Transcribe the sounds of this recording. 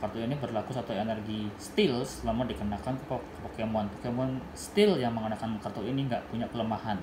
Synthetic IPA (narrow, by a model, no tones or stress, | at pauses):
kart̪oinibərlakusat̪aenərɡist̪ɪlslamadikənakankəp | pokemuanp̪ukamuan | st̪ɪljaŋməŋənakanmakart̪oiniŋɡaʔpuɲakələmahan